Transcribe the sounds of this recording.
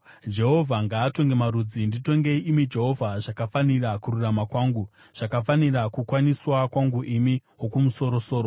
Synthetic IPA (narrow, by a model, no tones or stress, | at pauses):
d͡ʒe̞ɦovʱaŋɡaːto̞ŋɡe̞maɾud͡zindito̞ŋɡe̞iʔimid͡ʒe̞ɦo̞vʱaʐakafanirakuɾuramakwaːŋɡu | ʐ̥akafanirakukwaniswakwaŋɡuʔimiwokumuso̞ɾoso̞ːɾo